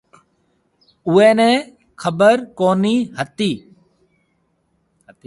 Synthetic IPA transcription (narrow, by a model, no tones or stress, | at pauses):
ʊɛ̃ːnɛ̃ː | kʰəbəɾkoːniːɦət̪iː